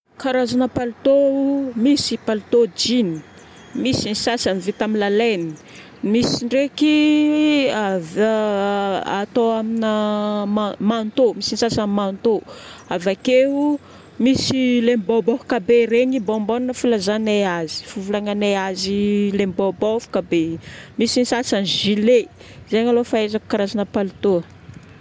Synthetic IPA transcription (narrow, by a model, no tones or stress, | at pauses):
kaɾazanəpalit̪omisipalut̪od͡ʒini̥ | misinisasamivit̪aminlaleni̥ | misiɳɖ͡ʐeki | av | at̪oaminamamant̪omisinisasamant̪oavakeu | misilembobofu̥kabeɾeɲibomboninəfilazaneazi̥fuvulaŋaneazilembobofu̥kabemisinisasanʒile | zeɲalofaezaku̥kaɾazanəpalut̪uə